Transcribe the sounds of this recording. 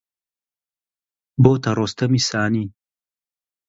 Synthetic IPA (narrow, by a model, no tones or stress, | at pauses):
boːt̪ɐɾoːst̪ɐmisaːni